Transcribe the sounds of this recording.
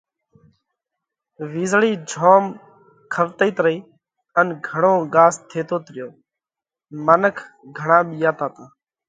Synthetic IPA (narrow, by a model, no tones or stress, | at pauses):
ʋiːzɭiːd͡ʒʱoːm | kʰəʋt̪əiːt̪ɾəiː | ənɡʱəɳoːɠaːst̪ʰeːt̪oːt̪ɾɪjoː | mənəkʰɡʱəɳãːɓiːjaːt̪aːt̪õː